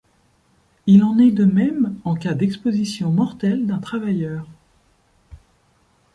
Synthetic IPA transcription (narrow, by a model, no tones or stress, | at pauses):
ilɑ̃nɛd̪əmɛmɑ̃kad̪ɛkspozisjɔ̃mɔʁt̪ɛld̪ɛ̃t̪χavajœːʁ